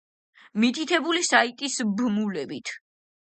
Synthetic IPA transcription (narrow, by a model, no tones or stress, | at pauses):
mit̪ʰit̪ʰɛbulisait̪ʼisbmulɛbit̪ʰ